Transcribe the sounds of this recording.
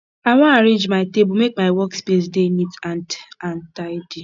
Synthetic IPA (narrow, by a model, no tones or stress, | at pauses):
aŋʷaaɾẽnd͡ʒmaɪtebumek̚maɪwɔkspes̬demitantantaɪdi